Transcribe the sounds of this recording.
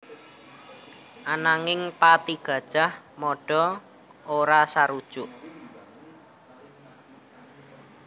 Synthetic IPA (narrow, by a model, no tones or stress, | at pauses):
ʔanaŋɪŋpat̪iɡ̥ä̤d̥ʒ̥a̤hmɔɖ̥ɔ̤ | oɾasaɾud̥ʒ̥ʊʔ